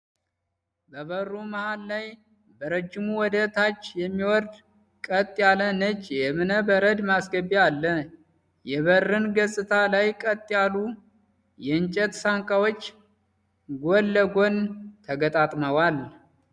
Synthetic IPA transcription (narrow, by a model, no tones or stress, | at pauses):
bəβərːuməhalːaj | bəɾəd͡ʒːɪmuwɔd̪ət̪ʰat͡ʃːjɛmːiwɔɾd̪ | kʼət̪ʼːjalənət͡ʃʼːjɛmɨnəbəɾəd̪masɡəbialːə | jɛβərːɨnɡəsʼɨt̪ʰalajkʼət̪ʼːjalu | jɛɨnt͡ʃʼɛt̪saŋkʼawot͡ʃː | ɡolːəɡo̞nt̪ʰəɡət̪ʼat̪ʼməwal